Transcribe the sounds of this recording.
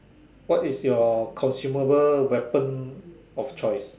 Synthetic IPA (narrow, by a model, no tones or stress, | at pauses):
wɔtisjɔkʰɔ̃nsjuməbəlwɛpə̃n | ɔft͡ʃɔɪs